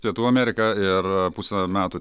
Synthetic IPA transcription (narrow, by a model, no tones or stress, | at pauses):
pʲiɛt̪uːɐmʲɛːɾʲɪkɐɪɾpusʲɛmʲæːt̪u